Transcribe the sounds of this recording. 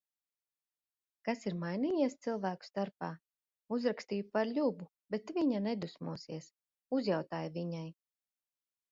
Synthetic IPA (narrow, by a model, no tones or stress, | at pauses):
kasiɾmajniːjiɛst̪silˠvæːku̥st̪aɾpaː | uzɾakst̪iːjupaɾʎʲubu | b̥et̪viɲanɛd̪usmuɔsiɛs | uzjawt̪aːjvʲiɲaj